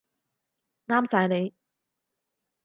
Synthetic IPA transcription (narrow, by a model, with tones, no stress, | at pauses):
ŋaː˥msaː˨˥jne˨˧j